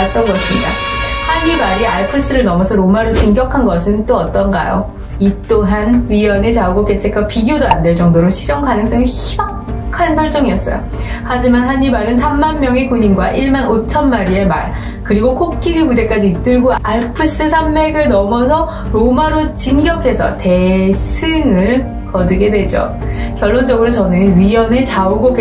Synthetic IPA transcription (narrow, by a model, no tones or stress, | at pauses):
t͈ʌnɡʌɕʰimɲida̰haɲimaɾiaɭpʰɯs͈ʰɯɾɯɭnʌmʌsʰʌɾomaɾot͡ɕinɡjʌkʰanɡʌsʰɯnt͈oʌt͈ʌnɡa̰jo̰ | it͈oɦanɥijʌnet͡ɕauɡok͈e̞t͡ɕʰe̞k͈̚wapiɡjodoandwe̞ɭt͡ɕ͈ʌŋdoɾoɕʰiɾjʌŋkanɯŋs͈ʌŋiçibak | kkʰansʰʌɭt͡ɕ͈ʌŋiʌs͈ʌ̰jo̰ | had͡ʑimanɦaɲimaɾɯnsʰamːanmjʌŋekuɲinɡwa̰ʔiɭmanot͡ɕʰʌnmaɾie̞ma̰ɭ | kɯɾiɡokʰok̚k͈iɾiɭmude̞k͈ad͡ʑiːt͈ɯɭɡoaɭpʰɯs͈ɯsʰamːe̞ɡɯɭnʌmʌsʰʌ | ɾomaɾot͡ɕinɡjʌkʰe̞sʰʌ̰te̞sʰɯŋɯɭ | kʌdɯɡe̞dwe̞d͡ʑo̰ | kjʌɭːond͡ʑʌɡɯɾot͡ɕʌnɯnɥiʌnet͡ɕaoɡok͈e